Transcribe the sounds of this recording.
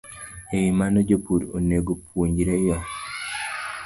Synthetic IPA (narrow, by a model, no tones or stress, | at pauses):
ewimanod͡ʒopuɾo̰neɡopwoɲd͡ʒiɾeja